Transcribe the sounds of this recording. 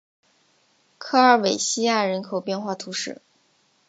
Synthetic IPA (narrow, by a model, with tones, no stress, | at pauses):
kʰɤ˥ə˞˧˥we˨˩ɪɕi˥ja˥˩ɻə˧˥nkʰo˨˩ʊpjɛ˥˧nxwa˥˩t̪ʰu˧˥ʂɻ̩˥˩